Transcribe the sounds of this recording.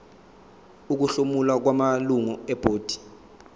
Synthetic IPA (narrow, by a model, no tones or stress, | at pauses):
uk̬uɬumulwak̬wamaluŋɔɛb̥ʱoːd̥ʱi̥